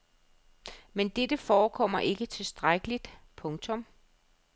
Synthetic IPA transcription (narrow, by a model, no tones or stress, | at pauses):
mend̥ed̥əfɒːkʰɒ̽m̰ɐʔe̝ɡ̥ət͡sʰe̝lsd̥ʁaɡ̥əlid̥pʰɔ̽ŋt͡sʰɔ̽m